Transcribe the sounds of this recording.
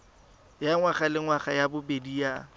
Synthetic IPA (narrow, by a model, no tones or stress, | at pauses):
jaŋwaχalɪŋwaχajabʊbediːa